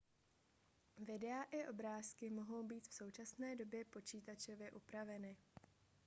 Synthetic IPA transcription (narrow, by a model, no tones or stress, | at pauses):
vɪdɛaʔɪʔo̞bɾaːskɪmo̞ɦo̞wbiːt̪fso̞wt͡ʃasnɛːdo̞bjɛpo̞t͡ʃiːt̪at͡ʃo̞vjɛʔupɾavɛnɪ